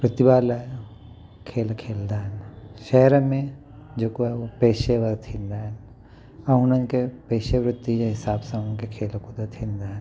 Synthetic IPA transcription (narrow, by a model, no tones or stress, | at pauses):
pɾɪt̪ibaːlae | kʰeːlkʰeːld̪aːɦnʃɛːɾmẽ | d͡ʒoːkoɦɛopeːʃeʋɐɾt̪ʰĩnd̪aːn | ɐɦʊnɐ̃nkepeːʃeʋɾɪt̪ːid͡ʒeɦɪsaːbsɐ̃nkekʰeːlkud̪ɐt̪ʰind̪aːn